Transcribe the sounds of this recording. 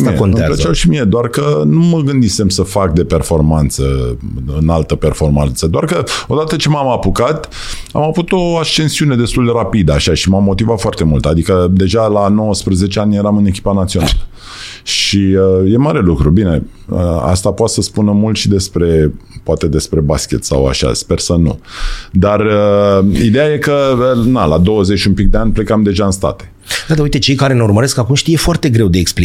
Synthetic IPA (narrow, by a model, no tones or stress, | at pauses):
meət͡ʃawʃimied̪oarkənuməɡɨnd̪ise̞msəfak̚d̪e̞pe̞rfo̞rmant̪səɨnalt̪əpe̞rfo̞rmant̪səd̪oarkəo̞d̪at̪ət͡ʃe̞mamapukat̪ | a̰mavut̪o̞aʃt͡ʃe̞nsiune̞d̪e̞st̪uld̪e̞ɾapid̪əaʃaʃimamːo̞t̪ivat̪foart̪e̞mult̪ad̪ikəd̪e̞ʒalano̞wəspɾəze̞t͡ʃeanʲje̞ɾamɨne̞kʲi̥panat̪sio̞na̰lə | ʃiəje̞maɾe̞lukɾubine̞əa̰st̪apoat̪səspunəmult̪ʃid̪e̞spɾe̞poat̪e̞d̪e̞spɾe̞baskʲe̞̰t̪sa̰wa̰ʃa̰spe̞rsənṵd̪arəid̪ejaje̞kənalad̪o̞wəze̞t͡ʃʲumpik̚d̪eanʲple̞kamd̪e̞ʒaɨnst̪a̰t̪e̥ | d̪ad̪aujt̪et͡ʃe̞jkaɾe̞neurməɾeskakumʃt̪ijefoart̪e̞ɡɾe̞wd̪eekspli